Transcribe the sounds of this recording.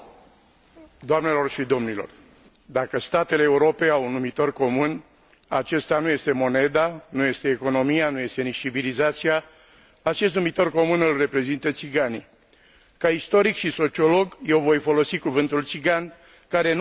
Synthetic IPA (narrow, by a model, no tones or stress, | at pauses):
d̪oamne̞lo̞rʃid̪o̞mnilo̞̰r | d̪akəst̪at̪e̞leːuɾo̞pe̞awunːumit̪o̞rko̞mun | a̰t͡ʃe̞st̪anuje̞st̪e̞mo̞ne̞d̪anujest̪e̞ːko̞no̞mijanuje̞st̪e̞nit͡ʃt͡ʃivilizat̪sija | at͡ʃe̞st̪numit̪o̞rko̞munɨlre̞pɾe̞zint̪ət̪siɡanḭ | kaist̪o̞ɾikʃiso̞t͡ʃio̞lo̞ɡje̞wvo̞jfo̞lo̞sikuvɨnt̪ult̪siɡan | kaɾe̞n